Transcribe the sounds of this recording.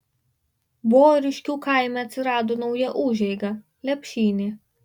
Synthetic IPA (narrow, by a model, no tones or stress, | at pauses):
boːɾʲɪʃʲkʲuːkɑˑɪmʲɛɐt̪ʲsʲɪɾɑːd̪oːnɒʊjɛʔuːʒʲɛɪɡɐ | lʲɛpʲʃʲiːnʲeː